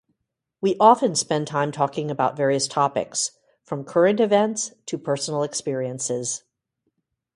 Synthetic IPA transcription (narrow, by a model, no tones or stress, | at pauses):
wiʔɑfɨ̃nspɛ̃ntʰãɪ̃mtʰɔkɪ̃ŋɨbaʊtvɛɹiɨstʰɑpɨ̰ks | fɹʌ̃mkʰɜ˞ɨ̃ntɨvɛ̃ntstʰɨpʰɜ˞sn̩l̩ˠɨkspɪɹiɨ̃nsɪz̥